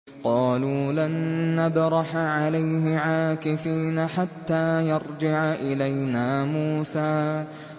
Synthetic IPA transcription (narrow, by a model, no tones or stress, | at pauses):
qɑːluːlanːabɾˤɑħaʕalajɦɪʕaːkɪfiːnaħat̪ːaːjɑɾˤd͡ʒɪʕaʔɪlajnaːmuːsaː